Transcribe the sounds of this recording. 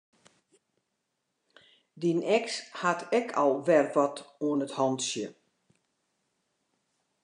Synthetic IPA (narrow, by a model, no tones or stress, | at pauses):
dinɛkshatʰɛkʰɔlˠʋɛrʋɔtoənəthɔntsjə